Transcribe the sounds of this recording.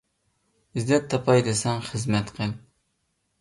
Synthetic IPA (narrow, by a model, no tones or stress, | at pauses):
izd̪ɛt̪ʰːɑpʰɑjd̪ɪsɛŋχəzmɛt̪qʰəl